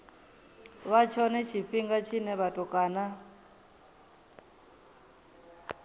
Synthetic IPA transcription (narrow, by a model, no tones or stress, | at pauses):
βat͡ʃʰɔnɛt͡ʃʰiɸiŋɡat͡ʃʰinɛβatukʼaːna